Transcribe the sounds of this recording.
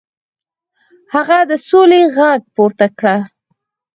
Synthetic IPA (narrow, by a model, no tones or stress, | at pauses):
haɣad̪əsoleɣaɡ̚poɾt̪akɽa